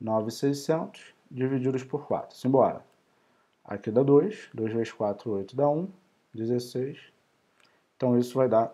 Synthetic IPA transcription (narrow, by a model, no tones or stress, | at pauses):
nɔvɪsejsẽnt̪ʊ̥s | d͡ʒivid͡ʒid̪ʊʃpʊɾkwa̰t̪ɾʊ̥sĩj̃bɔɾɐ̰ | a̰kid̪ɐd̪ojʃd̪ojzveʃkwat̪ɾʊojt̪ʊd̪ɐũ | d͡ʒezesejʃ | ẽt̪ɐ̃w̃isʊvajd̪a